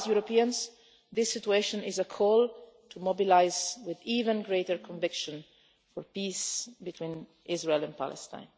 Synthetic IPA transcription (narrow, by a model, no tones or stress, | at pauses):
zjuɾɔpiãnz | ðɪsːɪtueɪʃɔ̃nɪzəkʰɔlˠ | tʰumobilaɪzwɪðivə̃nɡɹeɪtəɹkʰɔ̃ɱvɪkʃɔ̃n | fɔɹpisbitʰwĩn | ʔɪzɹeɪlæ̃npʰa̰lɛ̰stã̰ɪ̃n